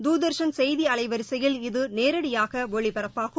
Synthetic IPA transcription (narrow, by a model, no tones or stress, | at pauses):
d̪uːðɐɾʂɐnsɛjðiɐɭɐɪʋɐɾɪsɐjɪlɪðɯneːɾɐɽɪjaːɣɐʋɔɭɪpɐɾɐpːaːɣɯ